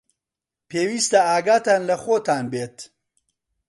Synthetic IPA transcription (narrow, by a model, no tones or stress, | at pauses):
peːwist̪ɐaːɡaːt̪aːnlɐχoːt̪ʰaːnbeːt̪